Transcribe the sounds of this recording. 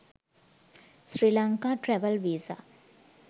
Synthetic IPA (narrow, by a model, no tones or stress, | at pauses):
sɾiːlaŋkaːʈɾɛʋəlʋiːza̰